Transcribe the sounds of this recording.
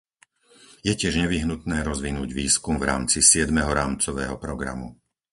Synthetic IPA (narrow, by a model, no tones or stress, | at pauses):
jɛcɪɛʒɲɛʋiɦnut̪nɛːɾɔzʋinuːɟʋiːskumvɾa̰ːmt͡sisɪɛd̪mɛɦɔɾaːmt͡sɔʋɛ̰ːɦɔpɾɔɡɾa̰mṵ